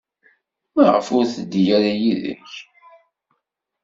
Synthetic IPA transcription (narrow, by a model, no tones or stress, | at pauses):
mæʁə̰fʊɾθəd̪ːjaɾajiðə̰ç